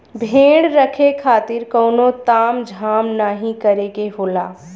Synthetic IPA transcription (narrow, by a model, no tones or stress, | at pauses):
bʱeːɽɾəkʰekʰaːt̪ɪɾkɔːnot̪aːmd͡ʒʱaːmnaːɦĩkəɾekeɦoːlaː